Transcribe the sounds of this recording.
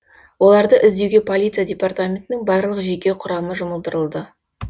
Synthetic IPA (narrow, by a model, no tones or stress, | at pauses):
wo̞lˠɑɾd̪əʔɪzd̪e̞wɡʲe̞pʰo̞lʲijt̪sɨjadʲe̞part̪amʲe̞nt̪ɪnɪŋbɑɾlˠəqʒe̞kʲe̞wqʰʊɾɑməʒʊməlˠd̪əɾəlˠd̪ə